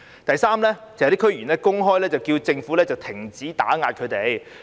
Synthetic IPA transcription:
t̪ɐ˨jsaː˥mlɛː˥t͡sjt̪i˥kʰɵ˥ɥy˨˩nlɛː˥kʊ˥ŋɦɔː˥jlɛː˥t͡sɐ˨˩wkiː˧wt͡sɪ˧ŋfu˨˥lɛː˥t͡sɐ˨wt̪ʰɪ˨˩ŋt͡siː˨˥t̪a̰ː˨˥ŋaː˧t̚kʰɵ˨˧t̪e˨j

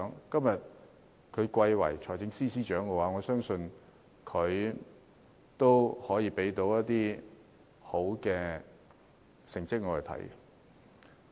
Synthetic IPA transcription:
ŋkɐ˥mjɐ˨t̚ | kʰɵ˨˧ɥkʷɐ˧jwɐ̰˨˩jt͡ʃʰɔː˨˩jt͡sɪ˨˥ŋsiː˥siː˥t͡ʃœː˨˥ŋkɛ˧waː˨˥ŋɔː˨˧sœː˥ŋsɵ˧n | kʰɵ˨˧ɥ | t̪o˥whɔː˨˥jiː˨˧pe˨˥jt̪o˨˧˥wjɐ˥t̚t̪iː˥ | ho˨˥wkɛː˧ | sɪ˨˩ŋt͡sɪ˥k̚ŋɔː˨˧˨t̪ʰɐ̰˨˥j

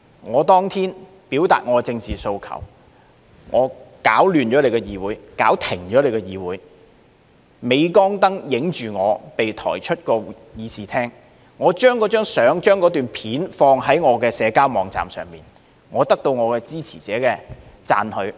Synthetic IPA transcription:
ŋɔː˨˧t̪ɔː˥ŋt̪ʰiː˥n | piː˨˥wt̪a̰ː˨t̚ŋɔː˨˧t͡sɪ˧ŋt͡siː˨so˧wkʰɐ̰˨˩w | ŋʔɔː˨˧kaː˨˥wlyː˨nt͡ʃɔː˨˥le˨˧jkɛ˧jiː˨˧wuː˨˧jkaː˨˥wt̪ʰɪ˨˩ŋt͡ʃɔː˨˥le˨˧jkɛ˧jiː˨˧wuː˨˥j | me˨˧jkɔː˥ŋt̪ɐ˥ŋjɪ˨˥ŋt͡ʃyː˨ŋɔː˨˧pe˨jt̪ʰɔ̰ː˨˩jt͡ʃʰɵ˥t̚kɔː˧ | jiː˨˧siː˨t̪ʰɛː˥ŋ | ŋɔː˨˧t͡ʃœː˥ŋkɔː˨˥t͡ʃœː˥ŋsœː˨˥ŋt͡ʃœː˥ŋkɔː˨˥t̪yː˨npʰiː˨˥nfɔː˧ŋɦɐ˨˥jŋɔː˨˧kɛː˧sɛː˨˧kaː˥wmɔː˨˧ŋt͡sa̰ː˨msœ̰ː˨˩ŋmiː˨n | ŋɔː˨˧t̪ɐ˥k̚t̪o˧wŋɔː˨˧kɛː˧t͡siː˥t͡sʰiː˨˩t͡sɛː˨˥kɛː˧ | t͡sa̰ː˧nhɵ˨˧ɥ

